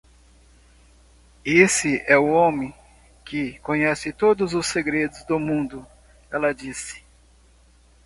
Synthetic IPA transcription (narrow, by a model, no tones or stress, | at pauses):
esɪɛʊõmẽ | kɪkõɲɛsɪt̪od̪ʊzʊsːeɡɾed̪ʊzd̪ʊmũnd̪ʊ | ɛlɐd͡ʒisɪ̥